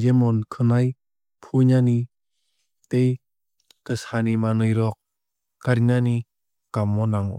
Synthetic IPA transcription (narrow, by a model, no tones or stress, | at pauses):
d͡ʒemɔnkʰɯnaj | pʰuɲani | t̪ej | kəsanimanɯjɾɔk̚ | kaɾinani | kamːɔnaŋɔ̰